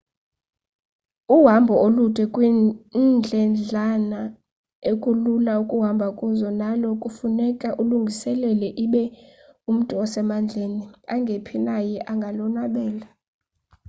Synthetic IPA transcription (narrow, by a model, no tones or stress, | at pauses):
uɦambʱɔolutʰʼɛkʼwind͡ɮʱɛnd͡ɮʱana | ekʼululaukʼuɦambʱakʼuzɔnalɔkʼufunɛkʼaʔuluŋɡʱisɛlɛlɛʔiɓɛum̩tʼuɔsɛmand͡ɮʱeniaŋɡʱepʰinajɛʔaŋɡʱalɔnaɓɛːla